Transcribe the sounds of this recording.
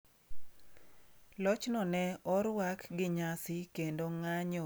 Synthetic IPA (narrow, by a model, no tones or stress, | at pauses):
lɔt͡ʃnɔnɛɔɾwakɡɪɲasɪkendoŋaɲɔ